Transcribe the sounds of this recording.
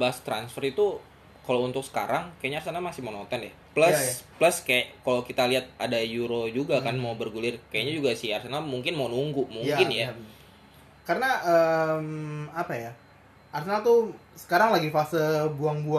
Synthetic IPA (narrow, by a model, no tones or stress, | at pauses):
baast̪ɾa̰nsfərit̪u | kalount̪ʊk̚sə̥ka̰ɾaŋkajaʔɲaːrsanamasɪhmaonot̪ɔnja | pləspləskajaʔkalokit̪aliɦat̪̚adajuɾod͡ʒuɡakkanmaubərɡulɪrkajaɲad͡ʒuɡasɪharsenamuŋkɪnmaunuŋɡumuŋkɪnja | kaɾənaʔəmapaja | arsenat̪usə̥kaɾaŋlaɡifasəbuaŋbu